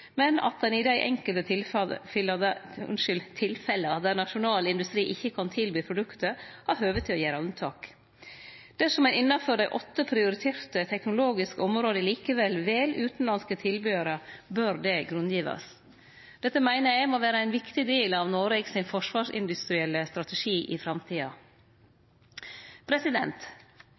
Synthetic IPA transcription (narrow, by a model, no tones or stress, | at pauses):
mɛnɑ̰t̪̚d̪ɛnɪd̪æɪʔɛ̰ŋkəlt̪əɪlfld̪əʉ̰nʂʏlt̪ʰɪlfɛləɑt̪̚d̪æɾnɑʂʊnɑːlɪnd̪ʉst̪ɾiːʔɪçːəkʰɑnt̪ʰɪlbyːpʰɾʊd̪ʉkt̪əɾhæɾɦøːʋət̪ʰːɪlɔjæːɾəʉnt̪ʰɑ̰ːk | d̪̥ɛsɔmæɪnɪnːɑfɔɖæɪʔɔt̪ːəpʰɾɪʊɾɪt̪ʰeːɾt̪ət̪ʰɛknʊloːɡɪskəɔmɾoːd̪əliːkəʋɛlʋeːlʔʉːt̪n̩lɑnskət̪ʰɪlbyːəɾəbøɾd̪ɛɡɾʉnd̪jiːʋɑ̰s | d̪̥ɛt̪ːəmæɪnəjæɡmoːʋæːɾəæɪnʋɪkt̪ɪd̪eːlɑʋnoːɾɛːɡsɪnfɔʂʋɑːʂɪ̰nd̪ʉst̪ɾɪɛlːəst̪ɾɑt̪əʂiːʔɪfɾɑmt̪ʰiːɑ | pʰɾɛsɪd̪ɛnt̪